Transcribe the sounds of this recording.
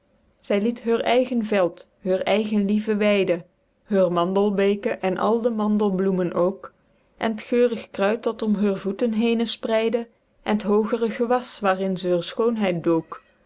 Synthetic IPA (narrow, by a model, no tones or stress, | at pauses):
z̥ɛjlitɦøːɹʔɛjɣənvɛlˠt | ɦøːɹɛjɣənlivəʋɛjdə | ɦøːɹmɑndəlˠbejkəʔɛnʔɑ̰lˠdəmɑndəlˠblumənʔowk | ʔɛ̰nətxøːrəxkrœɥtɑtɔmɦøːɹvutənɦejnəsprɛjdə | ʔɛnətɦowɣərəɣəʋɑsʋaːrɪnzɛɦøːɹsxownɦɛjt̚dowk